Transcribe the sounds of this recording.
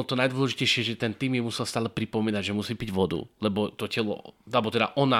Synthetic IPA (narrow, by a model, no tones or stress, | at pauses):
ɔt̪ɔnajd̪ʋɔlɛʒicɛjʃɪɛʒɛt̪ɛnt̪iːmjɛmusɛlˠst̪aːlɛpɾipɔmiːnaɟʒɛmusiːpiɟʋɔd̪ṵlɛbɔt̪ɔcɛlɔ̰alɛbɔt̪ɛd̪aʔɔna